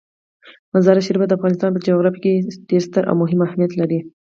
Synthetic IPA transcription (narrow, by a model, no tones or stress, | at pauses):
mazɑɾaʃiɾbad̪əafɣɑnɪst̪ɑnpəd͡ʒaɣɾɑfkeɖ̥eɾst̪əɾʔa̰wmʊɦɪmahmijat̪laɾi